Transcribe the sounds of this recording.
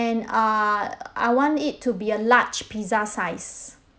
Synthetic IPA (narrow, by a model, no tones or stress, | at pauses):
ɛ̃na | a̰jwɔ̃ntɪtʰːubiəlat͡ʃpʰizasaɪs